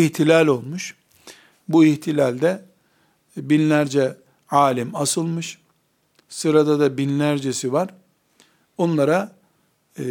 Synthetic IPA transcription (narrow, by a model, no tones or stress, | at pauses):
iht̪ʰilʲalʲo̞lˠmuʃ | buiçt̪ʰilʲælʲd̪ɛ | binlʲæɾd͡ʒɛ | aːlʲimasɯlˠmɯʃ | sɯɾad̪ad̪abinlʲæɾd͡ʒesivaɾ̥ | o̞nlˠaɾa